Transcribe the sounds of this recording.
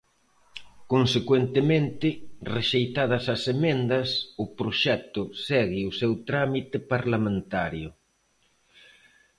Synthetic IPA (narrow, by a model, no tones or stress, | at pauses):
konsekwent̪emẽnt̪ɪreʃejt̪að̞ɐsɐsemẽnd̪ɐsʊpɾoʃɛt̪ʊsɛɣɪʊsɛwt̪ɾamit̪ɪpaɾlamẽnt̪aɾjʊ